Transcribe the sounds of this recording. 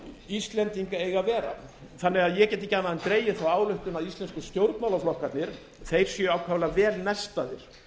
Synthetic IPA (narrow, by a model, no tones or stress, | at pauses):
ist̪lɛnt̪iŋkaejɣavɛːɾa̰ | θanːɛɣaðjɛcɛːt̪icːanaðɛnt̪ɾeːjːɪθawaːwlʏht̪ʏnaðist̪ɛnskʏst̪jowɾt̪nawlaflɔhkat̪nɪɾ̥ | θejɾ̥sjœawkʰvavɛlavɛːlnɛst̪aðɪɾ̥